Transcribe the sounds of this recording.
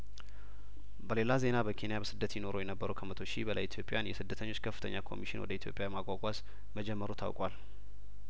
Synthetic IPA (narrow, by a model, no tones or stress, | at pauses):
bəle̞laze̞nabəkʰe̞nijabəsɨd̪ːət̪jino̞ɾojɛnəbːəɾukʰəmət̪ʰo̞ʃibəla̰jit̪ʰjo̞pʼejanjɛsɨd̪ːət̪ʰəɲːo̞t͡ʃːkʰəfːɨ̥t̪ʰəɲːakʰo̞̰miʃɪnwɔ̰d̪əit̪ʰjo̞pʼjajɛmaɡʷaɡʷaz | məd͡ʒɛmːəɾot̪ʰa̰wkʼwal